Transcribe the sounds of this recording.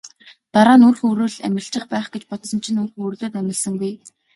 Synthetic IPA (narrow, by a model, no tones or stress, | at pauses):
t̪aɾaːnurxɵɾuːɮæ̰mʲɪ̆ɬt͡ɕɪ̆χpæːχɡ̥et͡ɕpɔt̪sɞ̆nt͡ɕʰĭnɵrxɵrɮoːt̪æmʲɪ̆ɮsə̆ŋɡuj